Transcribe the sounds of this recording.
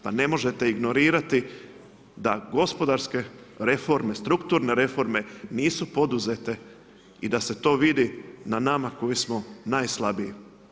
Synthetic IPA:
pane̞mo̞ʒe̞t̪e̞iɡno̞ɾiːɾat̪i | d̪aɡo̞spo̞d̪aɾske̞ɾe̞fo̞ɾme̞st̪ɾukt̪uːɾne̞ɾe̞fo̞ɾme̞niːsupo̞d̪uze̞t̪e̞ | id̪ase̞t̪o̞ːʋid̪inanamako̞jismo̞naːjslˠabiji

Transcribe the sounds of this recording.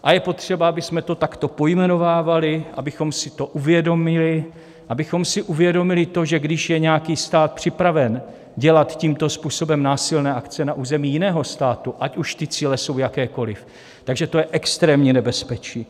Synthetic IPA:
ʔajɛpo̞t̪r̝̥ɛbaabɪsmɛt̪o̞t̪akt̪o̞po̞jmɛno̞vaːvalɪʔabɪxo̞msɪt̪o̞ʔuvjɛdo̞mɪlɪ | ʔabɪxo̞msɪʔuvjɛdo̞mɪlɪt̪o̞ʒɛɡdɪʃjɛɲɛjakiːst̪aːt̪̚pr̝̥ɪpɾavɛn | ɟɛlat̪ciːmt̪o̞spuːso̞bɛmnaːsɪlnɛːʔakt͡sɛnaʔuːzɛmiːjɪnɛːɦo̞st̪aːt̪uʔacuʃt̪ɪt͡siːlɛso̞wjakɛːko̞lɪf | t̪aɡʒɛt̪o̞jɛʔɛkst̪ɾɛːmɲiːnɛbɛspɛt͡ʃiː

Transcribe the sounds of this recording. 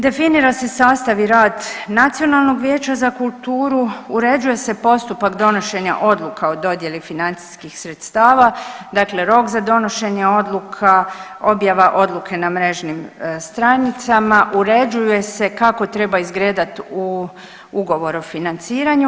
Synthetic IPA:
d̪e̞finiɾase̞saːst̪aʋiɾaːd̪nat̪sio̞nalˠno̞ɡʋjeːt͡ɕazakulˠt̪uːɾuuɾe̞d͡ʒuje̞se̞po̞st̪upakd̪o̞no̞ʃe̞ɲa̰ʔo̞d̪lˠukʰaod̪o̞d̪je̞lifinant̪si̥skixsɾe̞t̪st̪aːʋad̪akle̞ɾo̞kzad̪o̞no̞ʃe̞ɲeo̞d̪lˠukʰa | o̞bjaʋaʔo̞d̪lˠukʰe̞namɾe̞ʒnimst̪ɾanit̪samaʔuɾe̞d͡ʒujuje̞se̞kako̞t̪ɾe̞baizɡɾeːd̪at̪u | uɡo̞ʋo̞ɾofinant̪siːɾaɲu

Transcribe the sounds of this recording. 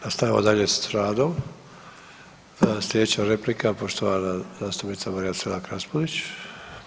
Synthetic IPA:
nast̪aʋiʋod̪aʎessɾaːd̪o̞m | slʲeet͡ɕaɾe̞plikapo̞ʃt̪oʋanazaːst̪upnit̪samaɾijaselakɾaspolit͡ɕ

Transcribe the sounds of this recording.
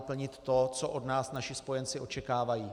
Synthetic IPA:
pl̩ɲɪt̪ːo̞t͡soʔo̞dnaːsnaʃɪspo̞jɛnt͡sɪo̞t͡ʃɛkaːvajiː

